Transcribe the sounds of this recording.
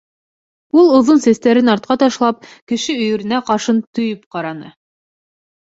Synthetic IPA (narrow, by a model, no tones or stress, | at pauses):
ulˠŏðonsæst̪æɾɘnɑɾt̪̚qɑt̪ɑʃlˠɑp̚kɘ̆ʃɘɵ̆jɘ̆ɾɘ̆næqɑɾʃɤnt̪ɵ̆jɵpqɑɾɑnɤ